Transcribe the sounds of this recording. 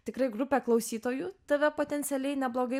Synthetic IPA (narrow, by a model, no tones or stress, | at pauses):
t̪ʲɪkɾɐɪɡɾʊpʲeːklˠɐʊsʲiːt̪oːjuːt̪ɐʋʲɛpoːt̪ʲɛnʲt̪sʲɛlʲɛɪnʲɛblˠoːɡɐɪ